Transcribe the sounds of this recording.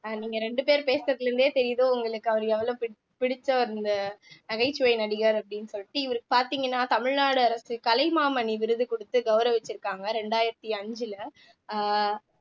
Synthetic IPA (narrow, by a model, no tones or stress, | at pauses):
niːŋɡɐɾɛɳɖɯpeːɾpeːsɾɐt̪ːɪlɾɯnd̪eːt̪ɛɾɪjɐðoːʊŋɡɐɭɯkːɯɐʋɐɾɛʋːɐlõːpɪ | pɪɽɪt͡ʃːɐɾɯnd̪ɐnɐɣɐɪt͡ʃːɯʋɐɪnɐɽɪɣɐɾɐpːɐɽɪnːɯsɔlːɪʈːɯɪʋɐɾɯkːɯ̥paːɾt̪iːŋɡɐnːaːt̪ɐmɪɻnaːɽɯɐɾɐsɯkɐlɐɪmaːmɐɳiʋɪɾɯðɯkɔɽɯt̪ːɯɡɐʋɾɐ̃ʋɛt͡ʃːɪɾɯkːaːŋɡɐɾɛɳɖaːjɪɾɐt̪ːiɐɲd͡ʒɪlɐ